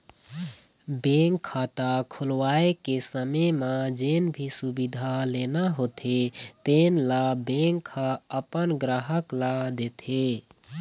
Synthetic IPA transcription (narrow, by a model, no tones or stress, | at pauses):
beŋkʰːat̪akʰulwaekesəməmãd͡ʒenbʱisubid̪ʱalenaɦot̪ʰet̪enlabeŋkʰːaəpənɡɾaɦəklad̪et̪ʰe